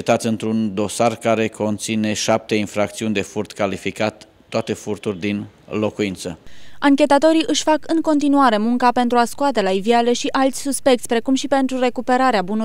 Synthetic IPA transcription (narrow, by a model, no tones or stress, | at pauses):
et̪at̪sʲɨnt̪ɾund̪o̞sarkaɾe̞kʰo̞nt̪sine̞ʃap̚t̪e̞infɾakt̪siunʲd̪e̞furt̪kalifikat̪ː | oat̪e̞furt̪urʲd̪inlo̞kuint̪sə̰aŋkʲe̞t̪at̪o̞ɾiʔɨʃʲfakɨŋko̞nt̪̬inuaɾe̞muŋkape̞nt̪ɾuaskuat̪e̞laiviale̞ʃiʔalt̪sʲsuspe̞k̚t̪sʲpɾe̞kumʃipe̞nt̪ɾure̞kupe̞ɾaɾeabunu